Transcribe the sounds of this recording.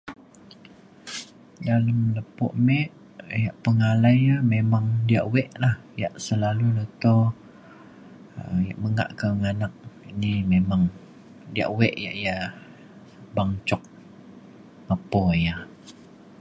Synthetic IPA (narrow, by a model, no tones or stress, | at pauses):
daləmləpɔ̰ʔmɛʔ | jaʔpəŋalajamemaŋdiaʔwɛʔlah | jaʔsəlalunət̪o | əja̰ʔməŋa̰ʔkəŋanak̚inimemaŋ | dia̰ʔwɛʔja̰ʔja | baŋt͡ʃɔk̚ | ləpɔja